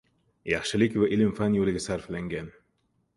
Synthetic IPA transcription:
jɑχʃɪlɪkʲvaʔɪlɪmfanjolɪɡʲasaɾflaŋɡʲan

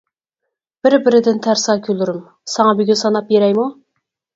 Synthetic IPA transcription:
b̥ɪɾbɪɾɪd̪ɪnt̪ʰæɾsɑkʲʰylˠuɾɪm | sɑŋɑbyɡʲynsɑnɑpjeɾɛjmu

